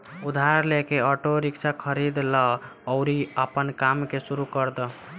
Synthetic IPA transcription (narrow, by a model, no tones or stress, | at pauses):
ud̪ʱaɾlekeɔʈoɾikt͡ʃʰakʰəɾid̪ləːʊɾiəpənkamkesuɾukəɾd̪ə